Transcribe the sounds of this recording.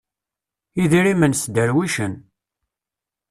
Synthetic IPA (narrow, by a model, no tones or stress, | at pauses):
iðiɾimənsd̪əɾwiʃən